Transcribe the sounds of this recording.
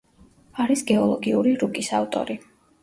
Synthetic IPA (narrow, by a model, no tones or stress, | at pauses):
aɾisɡɛɔlˠɔɡiuɾiɾukʼisavt̪ʼɔ̰ɾi